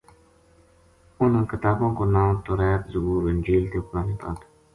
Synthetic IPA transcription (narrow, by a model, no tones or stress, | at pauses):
ʊnkɪt̪aːbõːkonaːmt̪oɾɛːt̪zʊɦuːɾɪnʲd͡ʒiːlt̪epnaːneːpa̰ːt̪ʰu̥